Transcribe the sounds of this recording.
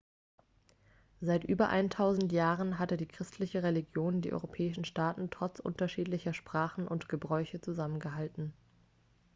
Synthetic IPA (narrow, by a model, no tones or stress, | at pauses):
zaɪtʔyːbɐʔa̰ɪntʰaʊzn̩tjaːʁənɦatədiːkʁ̥ɪstʰlɪçəʁeliɡjoːndiːʔɔ̰ʏʁopʰɛːɪʃn̩ʃtaːtn̩tʁ̥ɔt͡sʔʊ̰ntɐʃiːtlɪçɐʃpʁ̥aːχn̩ʔʊ̰ntɡ̥əbʁɔʏçət͡suzamənɡəɦaltn̩